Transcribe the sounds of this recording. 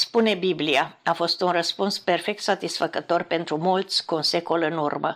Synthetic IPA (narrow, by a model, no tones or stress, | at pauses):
spune̞bibliaafo̞st̪unrəspunspe̞rfe̞k̚t̪sat̪isfəkət̪o̞rpe̞nt̪ɾumolt̪sʲkuunse̞ko̞lɨnṵrmə̰